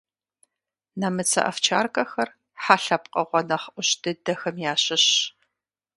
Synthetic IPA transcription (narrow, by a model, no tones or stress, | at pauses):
nɐmɨt͡sʰɐ̰ʔɐ̰ft͡ʃʰa̰ːrkʼɐxɐr | ħaːɬɐpqʼɐʁʷɔnɐχʔʷʊɕdɨdɐxɐmjaːɕɪɕ